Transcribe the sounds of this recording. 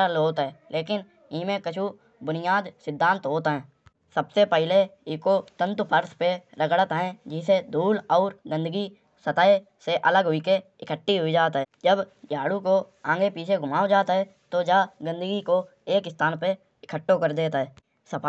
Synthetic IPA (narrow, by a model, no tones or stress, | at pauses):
loːt̪ɦɛːleːkɪn | ɪmẽkət͡ʃʰu | bʊnɪjaːd̪sɪd̪ʱːãːnt̪ɦoːt̪ɦɛ̃ː | səbsepɛɦɪleɪkot̪ə̃nt̪pʰəɾspeɾəɡɽət̪ɦɛ̃d͡ʒɪsed̪ʱuːlɔːɾɡə̃nd̪əɡi | sət̪aːe | seʔələɡɦʊike | ɪkʰəʈːiɦʊid͡ʒaːt̪ɦɛːd͡ʒəbd͡ʒaːɽukoãːŋɡepiːt͡ʃʰeɡʱʊmaːod͡ʒaːt̪ɦɛ | t̪od͡ʒaɡə̃nd̪əɡiko | eːkɪst̪ʰaːnpe | ɪkʰəʈːokəɾd̪eːt̪ɦɛː | səpʰa